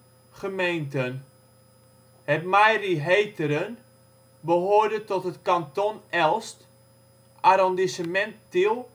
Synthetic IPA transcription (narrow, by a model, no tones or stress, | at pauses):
χəmejntən | hɛtmajriɦejtəɾən | bəɦoːrdətɔtɦətkantonɛlˠst | ʔaɾɔndisəmɛntːilˠ